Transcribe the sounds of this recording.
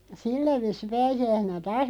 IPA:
silːæ ʋiːsˑi pæːsiæisenæ tɑːs

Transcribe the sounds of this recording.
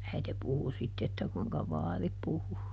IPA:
æite puhu sitːe etːæ kuiŋkɑ ʋɑːri puhu

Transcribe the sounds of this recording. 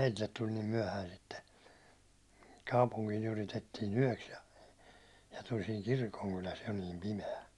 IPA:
meitilːet tul nim myæ̹hæin sitːe kɑupuŋkiːn yritetːiːn yæ̹ks jɑ jɑ tul siːŋ kirkoŋkylæs jo niːm pimeæ

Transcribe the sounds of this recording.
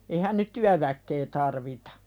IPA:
eihæn nyt tyæʋækːe tɑrʋitɑ̥

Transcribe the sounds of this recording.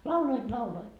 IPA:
lɑuloit lɑuloit

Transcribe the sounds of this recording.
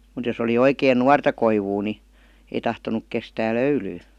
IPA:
mut jos oli oikeːn nuɑrtɑ koiʋuː ni ei tɑhtonuk kestæː løylyː

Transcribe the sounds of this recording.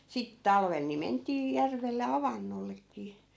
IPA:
sit tɑlʋel ni mentˑiː jærʋelːe ɑʋɑnːolːekˑiː

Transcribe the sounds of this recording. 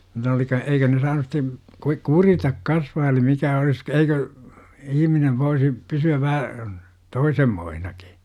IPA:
nitæ oli kɑ eikø ne sɑːnus sitˑe kui kuritɑk kɑsʋɑː eli mikæ olis eikø ihmineʋ ʋoisi pysyæʋ ʋæhæ toisemːoihnɑki̥

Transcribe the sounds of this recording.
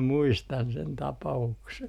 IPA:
muistɑn sen tɑpɑukse

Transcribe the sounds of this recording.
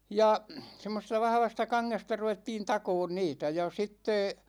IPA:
jɑ semːosestɑ ʋɑhʋɑstɑ kɑŋːestɑ ruʋetːiːn tɑkoːn niːtæ jɑ sitːe

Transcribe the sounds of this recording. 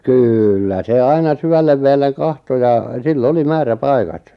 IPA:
kyːlːæ se ɑinɑ syʋælːeʋ ʋeːlːeŋ kɑhto jɑ silː oli mæːræpɑikɑt

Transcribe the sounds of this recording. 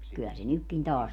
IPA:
kyæ se nykːin tɑːs

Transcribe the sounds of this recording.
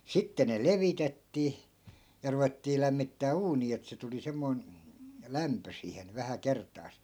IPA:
sitːe ne leʋitetːiː jɑ ruʋetːiː læmːitːæː uːniː et se tuli semːoi̯n læmpø siːhen ʋæhæ kertˑɑːs

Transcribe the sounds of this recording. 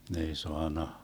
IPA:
ne ei soɑnːɑ

